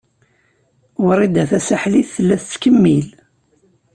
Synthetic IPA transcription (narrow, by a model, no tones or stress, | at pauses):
wəɾˤid̪æθæsaħliθθəlːæθt͡sːkəmːil